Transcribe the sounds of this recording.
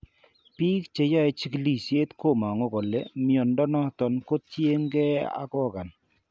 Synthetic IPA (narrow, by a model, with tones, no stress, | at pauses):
pi˦kt͡ʃe˨˦ja˦ɛ˨t͡ʃi˦kli˨sje˦t̪ko˦˨ma˨ŋo˦kɔ˨le˦mjɔ˨ndɔ˦nɔ˦t̪ɔ˨nko˦t͡ʃje˦ŋɡɛ˦a̰˦kɔ˦˨ka˨n